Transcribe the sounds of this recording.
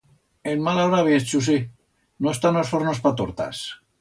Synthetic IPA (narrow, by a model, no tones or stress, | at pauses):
enmalaoɾaβjest͡ʃus̬i | noest̪anosfoɾnospat̪oɾt̪a̰s